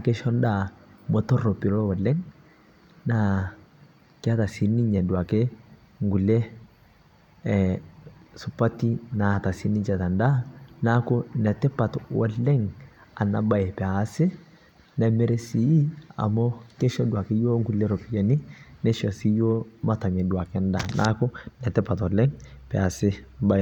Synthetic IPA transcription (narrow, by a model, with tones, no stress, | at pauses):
a˨kɛ˦ʃɔ˦nda˨mo˨t̪ɔ˦ro˨pi˨ɾo˦wɔ˨lːɛ˦ŋ | na˨ | ka˦t̪a˨si˨ni˦ɲɛ˨du˨a˨ke˦ | ŋɡu˨lːe˦ | sʊ˨pa˦tːi˦na˨t̪a˨si˦ni˦t͡ʃɛ˨t̪a˨nda˦na˦kʊ˦nɛ˨tɛ˦pːa˨t̪wɔ̰˨lːɛ˦ŋa˨na˨ba˦˨jpɛ˨asɪ˦ | nɛ˨mɛ˦ɾe˦si˦i˦a̰˨mɔ˦kɛ˦ʃɔ˦du˨a˨kɪ˦joː˦ŋɡu˨lːe˦ɾɔ˨pi˨ja˨ni˦nɛ˦ʃɔ˨si˦jo˦ma˦ta˨mɛ˨dwa˨kɛ˦nda˨nʔa̰˦kʊ˦nɛ˨tɛ˦pa˨twɔ˨lɛ˦ŋpɛ˨a˨sɪ˦ba˦